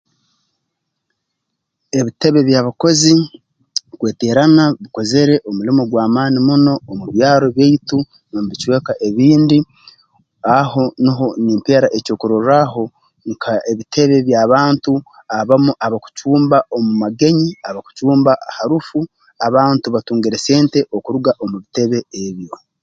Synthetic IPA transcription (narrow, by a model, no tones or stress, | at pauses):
eβite̞βe̞βjaːβako̞zi | kweːte̞ɾanaβiko̞ze̞ɾe̞ʔomulimo̞ɡwaːmaːnimuno̞ːmuβjaːɾo̞βjeitu | nomβit͡ʃwe̞ːkaʔe̞βiːndi | aɦo̞niɦo̞niːmpeɾaʔeco̞ːkuɾoɾaɦo̞ | ŋkʰaeβitʰe̞βe̞βjaːβaːntu | aβamuʔaβaku̥t͡ʃuːmbaomumaɡe̞ɲiaβaku̥t͡ʃuːmbaʔahaɾufu | aβaːntuβatuːŋɡeɾe̞se̞ːnte̞ʔokuɾuɡaʔo̞muβite̞βe̞eβjo̞